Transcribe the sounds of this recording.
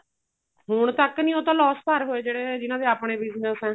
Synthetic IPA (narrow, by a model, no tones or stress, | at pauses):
ɦʊɳ̃t̪əknĩːoːt̪ãːlɔːst̪əɾɦoːeːd͡ʒeːɽeːd͡ʒɪnãːd̪eːapɳeːbɪznəsɛ̃ː